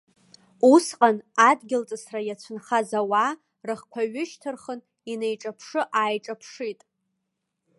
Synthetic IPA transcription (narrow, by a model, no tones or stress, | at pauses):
usqʼanadɡʲɪlt͡sʼɨsrajat͡ɕʷʰʊnχazawa | rɨχkʷʰaɥɪʃtʰɨrχən | inejʈ͡ʂʼapʰʂɨʔaːjʈ͡ʂʼapʰʂitʼ